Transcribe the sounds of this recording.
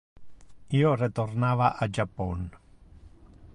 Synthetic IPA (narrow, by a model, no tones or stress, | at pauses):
ioret̪ornavaʔad͡ʒapːɔn